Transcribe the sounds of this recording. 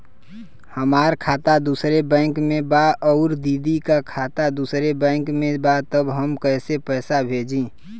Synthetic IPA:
həmaːɾkʰaːt̪ad̪usɾebɛ̃ːŋkmẽbaɔʊɾd̪iːd̪ikakʰaːt̪ad̪usɾebɛ̃ːŋkmẽbat̪əbɦəmkəɪsepəːsabʱed͡ʒĩ

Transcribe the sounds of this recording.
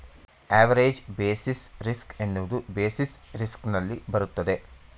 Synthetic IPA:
aːʋɐɾeːd͡ʒbeːsisɾiske̞nːuʋɐd̪ubeːsisɾisknɐlːibɐɾut̪ːɐd̪e̞

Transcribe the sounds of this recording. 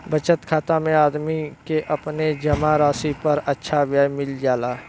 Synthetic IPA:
bət͡ʃət̪kʰaːt̪amẽaːd̪mikeʔɐpned͡ʒɐmaɾaːsipɐɾɐtːʃʰaʋjaːjmɪld͡ʒaːlaː

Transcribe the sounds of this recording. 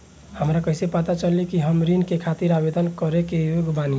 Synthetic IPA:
həmɾakəɪsepət̪at͡ʃəlikiɦəmɾinkekʰat̪iɾabed̪ənkəɾekejoɡbani

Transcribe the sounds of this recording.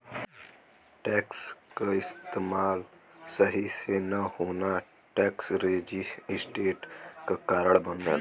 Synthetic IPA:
ʈɛːkskaɪst̪eːmaːlsəɦisenɐhoːna | ʈɛːksɾeːd͡ʒiɪsʈeːʈkakaːɾəɽbəne

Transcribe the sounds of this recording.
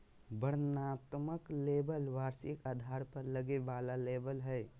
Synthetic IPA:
bəɾnaːt̪məkleːbəlʋaːɾsɪkad̪ʱaːɾpəɾləɡeʋaːlaleːbəlɦɛː

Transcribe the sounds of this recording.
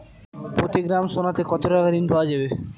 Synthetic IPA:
pɾot̪iɡɾamʃonat̪ekɔt̪oɾaɡaɾinbʱaad͡ʑabe

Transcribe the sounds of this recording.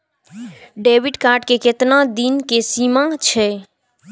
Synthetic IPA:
ɖebiɖkaɾʈkeket̪nad̪inkesimat͡ʃʰɛ

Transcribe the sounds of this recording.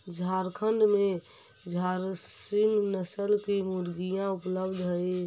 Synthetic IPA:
d͡ʒʱaɾkʰənɖ̪me | d͡ʒʱaɾsimnəsəlkimuɾɡijãupləbd̪ʱɦəe

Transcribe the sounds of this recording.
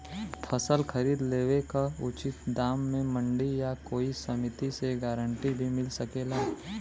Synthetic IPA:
pʰɐsəlkʰɐɾiːd̪leːʋekaʊt͡ʃɪt̪d̪aːmːẽmə̃ɳɖijakoːisɐmɪt̪iseɡaːɾəɳʈibʱimɪlsɐkeːlaː

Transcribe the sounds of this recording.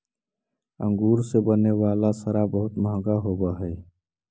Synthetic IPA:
ə̰̃ŋɡuːɾsebəneʋaːlasəɾabəɦʊt̪məɦɡaɦoːbaɦɛː

